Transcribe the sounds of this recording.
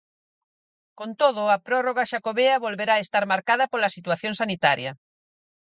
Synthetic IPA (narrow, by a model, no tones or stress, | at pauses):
kont̪oðʊɐpɾoroɣaʃakoβeɐβolβeɾaest̪aɾmaɾkaðɐpolɐsit̪waθjoŋsanit̪aɾjɐ